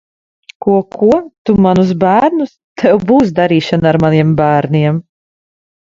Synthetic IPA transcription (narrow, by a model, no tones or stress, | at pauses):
kuɔkʰuɔt̪umanusbæːɾnust̪ʰɛwbuːs̬d̪aɾiːʃanːɾmaniɛmbæːɾniɛm